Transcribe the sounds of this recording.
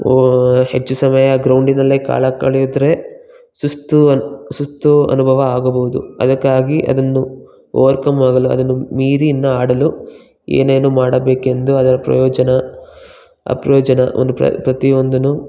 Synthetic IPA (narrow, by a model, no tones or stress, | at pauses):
he̞t͡ʃːusɐmɐjɐɡɾɐwɳɖinɐlːeːka̰ːɭɐkɐɭijud̪ɾe̞ | sust̪usust̪uɐ̰nubʱɐʋɐaːɡɐbɐʋud̪ṵɐ̰d̪ɐkːaːɡiʔɐ̰d̪ɐnːu | ɔ̰ːɐɾkɐmʋaːɡɐluɐ̰d̪ɐnːumiːɾinːɐaːɽɐlu | ḛːneːnuːmaːɽɐbe̞ːke̞nd̪uɐd̪ɐɾɐpɾɐ̰jɔːd͡ʒɐnɐ | ɐ̰pɾɐjɔːd͡ʒɐnɐo̰nd̪upɐ̰pɾɐt̪io̞nd̪unu